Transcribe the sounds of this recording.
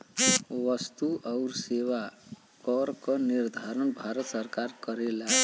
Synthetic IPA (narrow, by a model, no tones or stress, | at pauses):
wʌst̪uʌwɾsewa | kʌɾkoniɾd̪ʱaɾənbʱaɾət̪sʌɾkaɾkʌɾela